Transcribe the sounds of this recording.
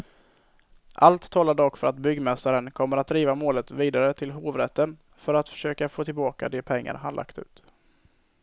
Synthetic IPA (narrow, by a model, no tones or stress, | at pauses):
ʔalt̪ʰːɔːlːaɖɔkfœɾʔat̪bʏɡmɛst̪aɾənkʰɔmːəɾat̪̚d̪ɾiːvamoːlət̪viːd̪aɾət̪ʰɪlɦoːvɾɛt̪ːən | fœɾat̪fœ̥ʂøːkafoːt̪ʰɪlbɑːka̰d̪ɛpʰɛŋːa̰ɾɦanla̰kt̪ʉ̟ːt̪